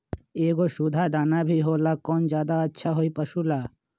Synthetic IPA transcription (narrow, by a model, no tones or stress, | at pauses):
eːɡoʃud̪ʱad̪aːnabʱiɦoːlakoːnzjaːd̪aɐtːʃʰaɦoipɐʃulaː